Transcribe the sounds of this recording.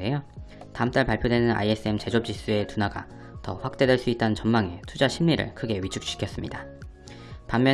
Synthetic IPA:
e̞jo | taɯmt͈aɭpaɭpʰjodwe̞nɯna̰ie̞s͈ʰɯe̞mt͡ɕe̞d͡ʑop̚t͡ɕ͈is͈ue̞tunaɡa̰ | tʌɸwak̚t͈e̞dwe̞ɭs͈uit̚t͈anɯnt͡ɕʌmmaŋe̞tʰud͡ʑaɕʰimɲiɾɯ̰ɭkʰɯɡe̞ɥit͡ɕʰuk̚ɕ͈i̥kʰjʌs͈ɯmɲḭda | pamːjʌ

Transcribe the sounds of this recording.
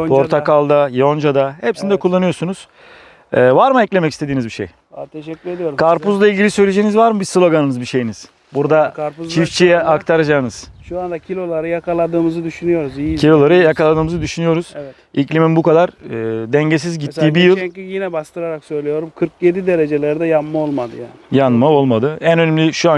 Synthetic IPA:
pʰoɾt̪ʰakalˠd̪ajond͡ʒad̪ahɛpsinid̪ɛkʰulˠːanɯjoɾsunuz̥ | ɛːvaɾmɯɛclʲe̞mɛcist̪ed̪iːnizbiʃḛj | t̪ʰʃɛyed̪ijoɾkʰaɾpuzlˠailʲɟilʲisø̞jlʲe̞d͡ʒeːnizvaɾmɯbislʲˠo̞ɡanɯnɯzbiʃe̞jiniz̥ | buɾd̪aɾut͡ʃʰift͡ʃʰijɛakt̪ʰaɾad͡ʒaːɯnɯz̥ʃuand̪acʰilʲo̞lˠaɾɯjakalˠad̪ɯːmɯzɯd̪yʃynyjo̞ɾuziicʰilʲo̞lˠaɾɯjakalˠad̪ɯːmɯzɯd̪yʃynyjo̞ɾuz̥vɛ | iclʲiminbukʰad̪aɾɯːd̪ɛɲɟes̬izɟit̪ʰːiːbijɯlˠijinɛbast̪ʰɯɾaɾaksø̞jlʲejo̞ɾumkʰɯɾkjed̪id̪eɾed͡ʒelʲæɾid̪ɛjanmaolˠmad̪ɯjaːnɪjanmao̞lˠmad̪ɯænønɛmlʲiʃua

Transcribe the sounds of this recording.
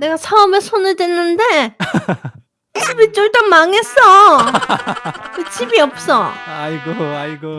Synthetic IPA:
ne̞ɡasʰaʌmesʰonɯɭdwenːɯnde̞ | ibit͡ɕ͈oɭt͈ʌmaŋes͈ʌ | kɯt͡ɕʰibiʌp̚s͈ʌaiɡoaiɡo

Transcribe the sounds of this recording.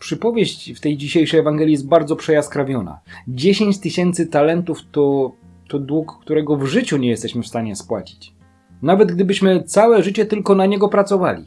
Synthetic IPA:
pʂɘpɔvʲjeɕt͡ɕft̪ɛjd͡ʑiɕejʂɛjɛvaŋɡɛlʲijɛst̪̚baɾd̪zɔpʂɛjaskɾavʲjɔna̰d͡ʑeɕeɲt͡ɕt̪ɘɕɛnt̪sɘt̪alɛnt̪uft̪ɔ | t̪ɔd̪wukːt̪uɾɛɡɔvʐɘt͡ɕuɲɛjɛst̪ɛɕmɘfst̪aɲɛspwat͡ɕi̥t͡ɕ | navɛd̪ɡd̪ɘbɘɕmɘt̪sawɛʐɘt͡ɕɛt̪ɘlkɔnaɲɛɡɔpɾat̪sɔva̰lʲḭ

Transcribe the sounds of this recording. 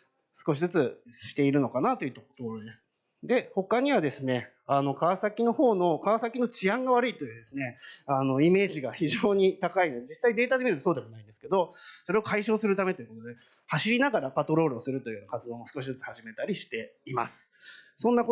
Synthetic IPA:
sɨ̥ko̞ɕ̬izɨt͡sɨɕi̥t̪e̞iɾɯ̟no̞kanat̪o̞jɯ̟t̪okot̪okoɾod̪e̞sɨ̥ | d̪e̞ho̞kaɲ̟iβad̪e̞sɨne̞ | ano̞kaβasakʲino̞ho̞ːno̞kaβasakʲino̞t͡ɕiãŋɡaβaɾɯit̪o̞jɯ̟ːd̪e̞sɨne̞ano̞ime̞ːʑiɡaçiʑo̞ːɲ̟it̪akaino̞d̪e̞d͡ʑisaid̪e̞ːt̪ad̪e̞mʲiɾt̪osoːd̪e̞mo̞naĩnd̪e̞sɨ̥ke̞d̪o̞so̞ɾe̞okaiɕo̞ːsɨɾɯ̟t̪ame̞t̪o̞jɯ̟̥ko̞t̪od̪e | haɕiɾʲinaɡaɾapat̪o̞ɾo̞ːɾɯ̟osɨɾɯ̟t̪o̞jɯ̟joːnakat͡sɨd̪o̞ːosɨ̥ko̞ɕ̬id͡zɨt͡sɨ̥haʑime̞t̪aɾʲiɕi̥t̪e̞ima̰sɨ̥ | sõ̞nːako

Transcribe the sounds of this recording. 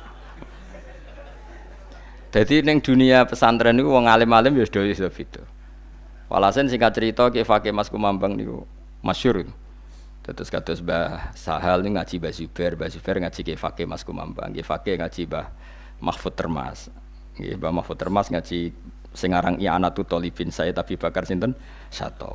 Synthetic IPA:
d̪̥ad̪inɛŋd̪̥ṳniapəsant̪ɾɛnikuwɔŋalɪmalɪmbɛsd̥otɪht̪ɔb̥it̪u | wʔa̰lasɛnsɪŋat͡ʃəɾit̪ɔkefakemaskumambaŋnḭkṵ | maʃʊɾn | t̪at̪ʊsɡat̪ʊsbasaɦalniŋḁd͡ʒ̥ibaz̥ub̥ɛrbaz̥ub̥ɛrŋḁd͡ʒ̥ikefa̰kemaskuma̰mba̰ŋkefakeŋḁd͡ʒ̥ibah | mʔa̰hfut̪ːərma̰s | ŋḛbamahfut̪ːərmasŋḁd͡ʒ̥i | səŋaɾaŋia̰naʔt̪ut̪ɔlib̥insajɛt̪apib̥akarsint̪ɔn | ʃa̰t̪ɔ̰

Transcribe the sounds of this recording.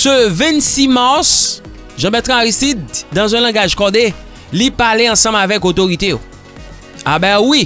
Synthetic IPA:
søvɛ̃nsimaʁs | ʒɑ̃bɛt̪ʁãaʁist̪id̪̚ːãzɛ̃lɑ̃ɡaʒkɔd̪e | lipaleɑ̃sɑ̃mavɛkot̪oʁit̪ejo̰ | abawi

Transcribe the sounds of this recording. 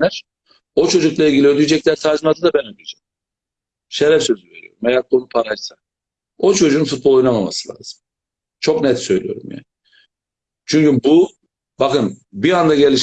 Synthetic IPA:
æɾ̥ | o̞t͡ʃʰo̞d͡ʒuklˠailʲɟʲilʲiød̪yjd͡ʒɛclʲæɾsʰaɾzmad̪ɯd̪abɛnød̪yjd͡ʒɛm | ʃeɾɛfsø̞zyveɾyjo̞̰ɾumejæɾkʰo̞nupʰaɾajsa | o̞t͡ʃʰo̞d͡ʒuːunfut̪̚bolˠojunamama̰sɯlˠa̰ːz̥ɯm | t͡ʃʰo̞knɛt̪sø̞jlʲḭjo̞̰ɾṵmjæ̰ːnɪ | t͡ʃʰyɲcybu | bakɯnbiand̪aɟelʲiʃ

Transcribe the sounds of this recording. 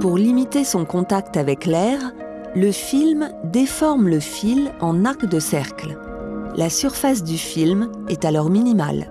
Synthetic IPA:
puʁlimit̪esɔ̃kɔ̃t̪akt̪avɛklɛʁ | ləfilmd̪efɔʁmləfilɑ̃naʁkd̪əsɛʁkl | lasyʁfas̬d̪yfilm | ɛt̪alɔʁminima̰l

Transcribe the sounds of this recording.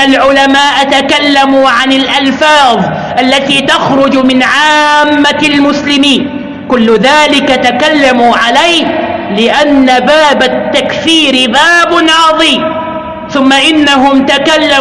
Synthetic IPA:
alʕʊlamaːʔat̪akalːamuʕanɪlʔalfɑːðˤ | ʔalːat̪iːt̪axɾʊd͡ʒmɪnʕaːmːalmʊslɪmiːn | kʊlːʊðaːlɪkat̪akalːamuʕalajhlɪʔanːabaːbat̪ːakθiːɾɪbaːbʊnɑːðˤiː | θʊmːaʔɪnːaɦʊmt̪akalːa

